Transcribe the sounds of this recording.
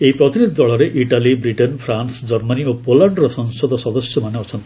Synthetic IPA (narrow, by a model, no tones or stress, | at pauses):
eipɾɔt̪inid̪ʱid̪ɔɭɔɾeʔiʈalibɾiʈenpʰɾansd͡ʒɔɾmaniopolaɳɖɾɔsɔŋsɔd̪ɔsɔd̪ɔsjɔmaneɔt͡ʃʰɔnt̪i